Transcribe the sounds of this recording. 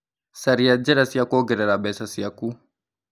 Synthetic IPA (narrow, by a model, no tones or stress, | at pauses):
sɐɾijad͡ʒɛɾasijakoɡɪɾɛɾabɛsasijaku